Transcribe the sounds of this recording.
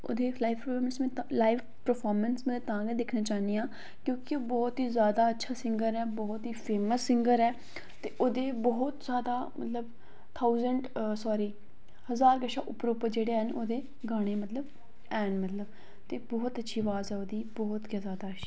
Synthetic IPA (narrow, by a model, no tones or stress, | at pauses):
o̰ːd̪eːlaːifpəpʰɔːɾmənsmɛ̃ːt̪ːlaːib | pəɾpʰɔːɾmənsmət̪ət̪ãːɡẽd̪ɪkʰnaːt͡ʃaːniːãː | kjõːkɪoːbɔːt̪ɦiːzjaːd̪aːətːʃʰaːsɪ̃ŋɡəɾɛːbɔːt̪ɦiːpʰeːməsːɪŋɡəɾɛː | t̪eːʔoːd̪eːbɔːt̪zjaːd̪aːmə̰t̪ləb | t̪ʰaːuzəɳɖsɔːɾiː | həzaːɾɡəʃa̰ːʔʊpɾopəd͡ʒeːɽeːɛnoːd̪eː | ɡaːɽ̃eːmət̪ləb | ɛːnmət̪ləb | t̪eːbɔːt̪ətːʃʰiːʋaːzɛːoːd̪iːbɔːt̪ɡjãːzjaːd̪aːʃʰi̥